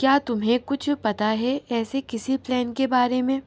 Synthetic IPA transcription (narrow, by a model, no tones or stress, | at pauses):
kjaːt̪ʊmɦẽkʊt͡ʃʰpɐt̪aɦɛɛːsekɪsiplɛːnkebaːɾemẽː